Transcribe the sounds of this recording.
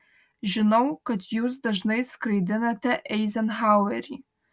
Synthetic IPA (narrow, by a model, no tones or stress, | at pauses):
ʒɨnowkʰɐtʰjuzdɐʒnejskʰrijdɨnɐtʰɐʔejzɐnħaweri